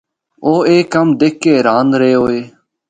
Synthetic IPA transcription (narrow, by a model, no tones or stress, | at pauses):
oːeːkːəmd̪eːkːeːɾaːnɾeːɦoːeː